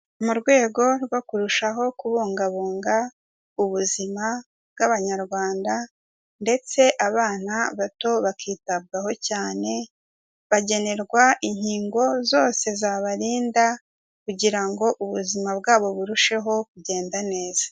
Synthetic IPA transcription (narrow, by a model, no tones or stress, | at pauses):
muɾɡwe̞ːɡo̞ɾɡwokuɾuʃaɦo̞kuβuːŋɡaβuːŋɡa | uβuzima | bɡaβaɲaɾɡwaːnda | nde̞t͡se̞ʔaβaːnaβato̞βakiːtab̚ɡaho̞caːne̞ | βaɟe̞ne̞ɾɡwaʔiɲhiːŋɡo̞zo̞ːse̞zaβaɾiːnda | kuɟiɾaŋɡo̞ʔuβuzimabɡaːβo̞βuɾuʃe̞ɦo̞kuɟe̞ːndane̞ːz̥ḁ